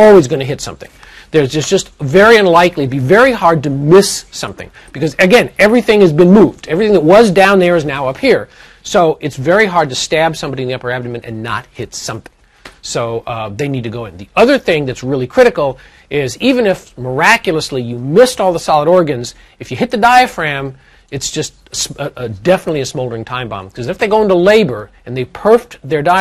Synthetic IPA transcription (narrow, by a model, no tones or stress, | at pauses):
ɔlˠwizɡʌ̃ñɨɦɪtsʌ̰̃mθɪ̰̃ŋ | ðə˞zd͡ʒʌsd͡ʒʌstvɛɹiʌ̃nlaɪkliɾɨbivɛɹihɑɹd̚tɨmɪsːʌ̰̃mθɪ̰̃ŋ | b̥ɨkʌzɨɡɛ̃nɛvɹiθɪ̃ŋɨzbɨ̃nmuvdɛvɹiθɪ̃ŋðɨt̚wʌzdãʊ̃nðə˞ɨznaʊʌphiɹ | soʊʔɨtsvɛɹiɦɑɹd̚tɨstæb̥sʌ̃mbɑɾiɨ̃nðiʌpə˞æbɾmɨ̃nɨ̰̃nːə̰t̚hɪtsʌ̰̃mθɪ̃ŋ | soʊðeɪnid̚tʰɨɡoʊɨ̃nðiʌðə˞θɪ̃ŋðɨtsɹɪlˠikʰɹ̥ɪɾɨkl̩ˠ | ɪzivɨ̃nɨfmə˞ækjl̩ˠəslijɨmɪstɔlˠðəsɑlˠəɾɔɹɡɨ̃nz | ɨfjɨhɪt̪̚ðɨdaɪɨfɹæ̃m | ɨtsd̥ʒ̥ʌst̚ | sdɛfənətˡliɨsmoʊlˠdə˞ɪ̃ŋtʰãɪ̃mbɑ̰̃mkʰʌzɨfðeɪɡoʊɪ̃ntəleɪbə˞ | ɨ̃nðeɪpʰɜ˞fðə˞daɪ